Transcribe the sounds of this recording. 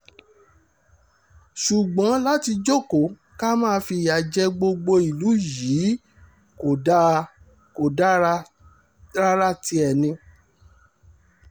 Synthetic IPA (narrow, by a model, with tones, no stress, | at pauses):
ʃu˨ɡ͡bɔ̃˨˦la˦ti˧d͡ʒo˦˨ko˨ | ka˦mãː˦˧˦fi˧˨ja˨d͡ʒɛ˦ɡ͡bo˧ɡ͡bo˧i˨lu˨˦ji˨˦ | ko˨a˦ | ko˨˦ | ɾa˦ɾa˦ti˧ɛ˨nĩ˧